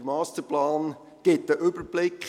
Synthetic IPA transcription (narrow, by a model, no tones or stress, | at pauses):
mɑːstəɾplɑːn | ɡ̥ɪt̚dəʔʏbəɾb̥lɪkχ